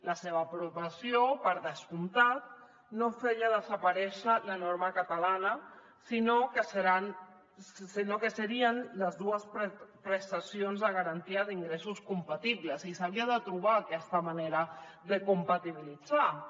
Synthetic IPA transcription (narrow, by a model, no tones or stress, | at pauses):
ləseβ̞əpɾuβəsiopəɾðəskunt̪at̪̚ | nofeʎaðəzəpaɾɛʃələnoɾməkət̪alanə | sinokəsəɾan | sinokəsəɾiənləzðuəspɾpɾəst̪asionzðəɣ̞aɾant̪iəðiŋɡɾesuskumpat̪iβləsisaβ̞iəðət̪ɾuβaːkɛst̪əmaneɾəðəkumpat̪iβ̞ilid͡za